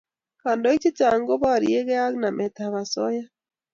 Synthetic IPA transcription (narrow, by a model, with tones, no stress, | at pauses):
ka˨ndɔ˦i˦t͡ʃi˦t͡ʃa˨ŋɡɔ˦βa˦˨ɾḭ˦e˦ɣɛ˦a˦kna˨mɛ˨t̪a˨βa˨sɔ˦ja˦